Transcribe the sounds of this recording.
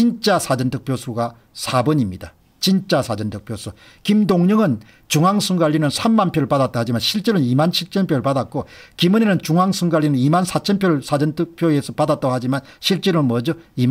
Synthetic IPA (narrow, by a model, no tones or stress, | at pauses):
t͡ɕint͡ɕ͈asʰad͡ʑʌntʰɯk̚pʰjosʰuɡa | sʰabʌɲimɲida | t͡ɕint͡ɕ͈asʰad͡ʑʌntʰɯk̚pʰjosʰu | kimdoŋɲɯŋɯn | t͡ɕuŋɦaŋsʰuŋɡaʎːinɯnsʰamːanpʰjoɾɯɭpadat͈ahad͡ʑimanɕʰiɭt͡ɕ͈eɾonimanɕʰiɭt͡ɕʰenpʰjoɾɯɭpadat̚k͈okimunenɯnt͡ɕuŋaŋsʰuŋɡaʎːinɯnimansʰat͡ɕʰenpʰjoɾɯɭsʰad͡ʑʌntʰɯk̚pʰjoe̞sʰʌpadat͈̚ʌɦad͡ʑimanɕʰiɭt͡ɕ͈eɾonmʌd͡ʑoim